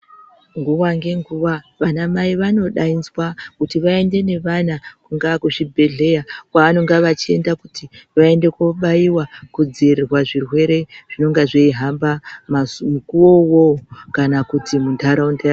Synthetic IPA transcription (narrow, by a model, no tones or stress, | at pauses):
ŋɡuwaŋɡe̞ŋɡuʋaʋanamaiʋano̞ɗainzwakutiʋae̞nde̞ne̞ʋanakuŋɡakuʐibʱe̞ɮe̞jakwaano̞ŋɡaʋat͡ʃie̞ndakutiʋae̞nde̞kwoɓaiwakud͡zirirwaʐirwe̞ɾe̞ʐ̥ino̞ŋɡaʐeiɦambammukuwo̞wokanakutʰimuntʰaɾaundaa